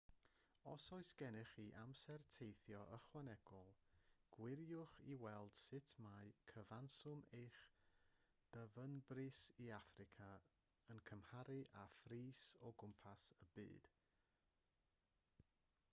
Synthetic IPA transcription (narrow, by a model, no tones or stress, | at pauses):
ɔsɔɨsɡ̥ɛnɪχiʔamsɛrtʰejθjɔʔəχwanɛɡ̥ɔlˠɡ̥wɪɾjʊχiwɛlˠd̥sɪtʰmaɨkʰəvansʊmejχ | d̥əvənbrɨsiafrɪkʰa | ənkʰəmhaɾɨʔafriːsɔɡʊmpʰasəbɨ̰ːd̥